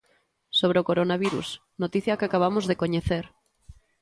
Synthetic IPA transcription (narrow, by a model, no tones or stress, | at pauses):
soβ̞ɾeokoɾonaβiɾṵs | not̪iθjakakaβ̞amozðekoɲeθeɾ